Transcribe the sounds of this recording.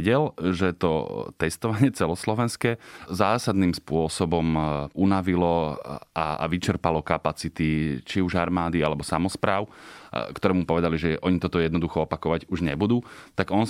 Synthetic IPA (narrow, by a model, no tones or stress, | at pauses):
ɟɛlʒɛt̪ɔ̰t̪ɛst̪ɔʋaɲɪɛt͡sɛlɔslɔʋɛnskɛːzaːsad̪nimspʊɔsɔbɔmʔunaʋilɔʔaa̰ʋit͡ʃɛɾpalɔkapat͡sit̪it͡ʃiuʒaɾmaːd̪ialɛbɔsamɔspɾaːʊkt̪ɔɾɛːmupɔʋɛd̪aliʒɛʔɔɲit̪ɔt̪ɔjɛd̪nɔd̪uxɔɔpakɔʋaɟuʒɲɛbud̪uːt̪aɡɔn